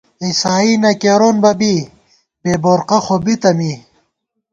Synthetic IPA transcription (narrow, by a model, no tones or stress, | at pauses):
isaːinɐkeɾoːnbɐbi | b̥eːboɾqɐxobit̪ɐmi